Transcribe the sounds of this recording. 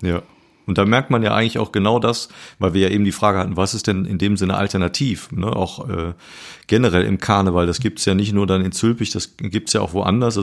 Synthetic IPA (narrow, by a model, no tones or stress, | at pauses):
jaː | ʔʊntd̥aːmɛɐk̚tmanja̰ːʔa̰ɪɡŋ̩lɪçaʊxɡ̥ənaʊdasvaɪlviːɐjaːʔeːbm̩diːfʁ̥aːɡəhatn̩vasɪstd̥ɛnɪ̰ndeːmzɪnə̰ʔa̰ltɛɐnatʰiːfnəʔa̰ʊxʔɛ̰ː | ɡ̥ɛnəʁɛlʔɪ̰mkʰaɐnəvaldasɡ̥iːp̚tsjaːnɪç̬tnuːɐdanɪnt͡sʏlpɪçd̥asɡiːp̚tsjaːʔaʊxvoʔa̰ndɐs